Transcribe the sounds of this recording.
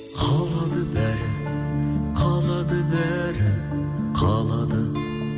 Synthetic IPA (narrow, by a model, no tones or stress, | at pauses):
qʰɑlˠɑd̪əbæɾɪ | qʰɑlˠɑd̪əbæ | ɾɪ | qʰɑlˠɑd̪ə